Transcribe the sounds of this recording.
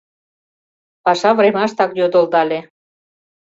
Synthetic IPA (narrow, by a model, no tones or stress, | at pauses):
pɑʃɑvremɑʃt̪ɑkjod̪old̪ɑlʲe